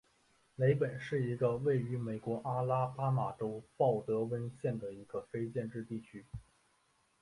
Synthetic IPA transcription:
le˧˥ɪpə˨˩nʂɻ̩˥˩i˧˥ɡə˧we˥˩ɪy˧˥me˨˩ɪkwɔ˧˥ʔa˥la˥pa˥ma˨˩ʈ͡ʂo˥ʊpɑ˥˩ʊt̪ɤ˧˥wə˥nɕjɛ˥˩nd̪ə˩i˧˥ɡ̥ə˧fe˥ɪt͡ɕjɛ˥˧nʈ͡ʂɻ̩˥˧t̪i˥˩t͡ɕʰy˥

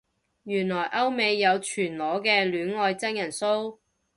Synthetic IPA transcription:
jyː˨˩nlɔː˨˩jʔɐ˥wme˨˧jːɐ˨˧wt͡ʃʰyː˨˩nlɔː˨˥kɛː˧lyː˨˥nŋɔː˧jt͡sɐ˥njɐ˨˩nso˥w

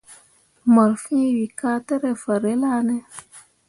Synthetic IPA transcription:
mə˨ɾfĩ˦wi˨ka˦te˦ɾe˨fa˨ɾe˦la˦ne˦

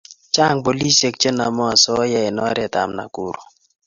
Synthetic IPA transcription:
t͡ʃa˦˨ŋbo˨li˦se˨k̚t͡ʃe˦na˨mɔ˦a˨sɔ˦jɛ˦ɛ˨nɔ̰˦ɾɛ˦˨ta̰˨mna̰˨ku˨ɾo˨

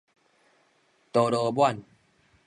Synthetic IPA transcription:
t̪o˨˩ɾo˧bwa˥˨n

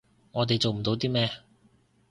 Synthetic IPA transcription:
ŋɔː˨˧t̪e˨jt͡so˨wm̩˨˩t̪o˨˧wt̪iː˥mɛː˥

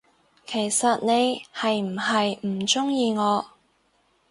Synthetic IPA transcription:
kʰe˨˩jsɐ˨t̚ne˨˧jhɐ˨jm̩˨˩ɦɐ˨jm̩˨˩t͡sʊ˥ŋjiː˧ŋɔː˨˧

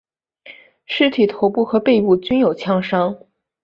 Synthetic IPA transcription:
ʂɻ̩˥˩t̪ʰi˨˩t̪ʰo˧˥ʊpu˥˩xɤ˧˥pe˥˧ɪpu˥˩t͡ɕy˥njo˨˩ʊt͡ɕʰjɑ˥ŋʂɑ˥ŋ

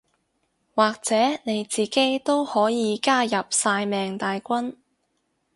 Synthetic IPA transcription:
waː˨k̚t͡sɛː˨˥ne˨˧jt͡siː˨˩ke˨˥jt̪o˥whɔː˨˥jiː˨˧kaː˥jɐ˨p̚saː˧jmɛː˨ŋt̪aː˨jkʷɐ˥n

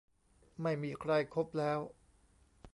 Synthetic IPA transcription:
ma˥˩jmiː˧kʰɾa˧jkʰo˦˥p̚lɛː˦˥w

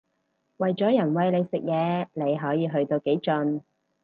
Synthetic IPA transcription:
wɐ˨jt͡ʃɔː˨˥jɐ˨˩nwɐ˨˧jle˨˧jsɪ˨k̚jɛː˨˧le˨˧jɦɔː˨˥jiː˨˧ɦɵ˧ɥt̪o˧wke˨˥jt͡ʃɵ˧n

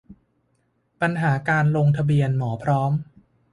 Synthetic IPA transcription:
pa˧nɦaː˩˦kaː˧nlo˧ŋt̪ʰa˧bi˧ənmɔː˩˦pʰɾɔː˦˥m

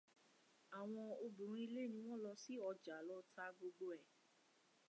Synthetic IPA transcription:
a˨w̃ɔ̃˧o˧bũ˨ɾ̃ũ˦i˦˧le˦˨nĩ˧w̃ɔ̃˦lɔ˧si˦ɔ˧d͡ʒa˨˦lɔ˦ta˧ɡ͡bo˧ɡ͡bo˧ɛ˨

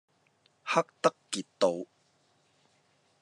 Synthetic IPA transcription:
hɐ˦˥k̚t̪ɐ˦˥kːi˨˩t̪ːo˨˧w

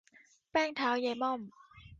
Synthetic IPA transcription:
pɛː˥˩ŋt̪ʰaː˨˦˥wja˧˩jmɔ˥˩m

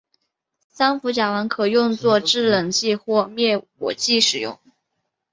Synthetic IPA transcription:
sa˥nfu˧˥t͡ɕja˨˩wə˧˥nkʰɤ˨˩jʊ˥˧ŋt͡swɔ˥˧ʈ͡ʂɻ̩˥˩lɤ˨˩ŋɕi˥˧xwɔ˥˩mjɛ˥˩wɔ̰˨˩t͡ɕi˥˩ʂɻ̩˨˩jʊ̰˥˩ŋ

